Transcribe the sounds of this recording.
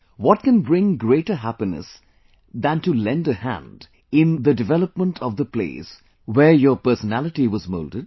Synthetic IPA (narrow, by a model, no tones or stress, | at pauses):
wɔʈ̚kɨ̃nbɾɪ̃ŋɡɾeːʈəɦæpinə̰s | d̪æ̃ntulɛ̃ndəhæ̰̃nd | ɪ̃nd̪ədɪvɛləpmə̃nʈʰɔvd̪əplḛːs | wəɹjəːpə˞sənælɨʈiwɔzmo̰ːldəd̚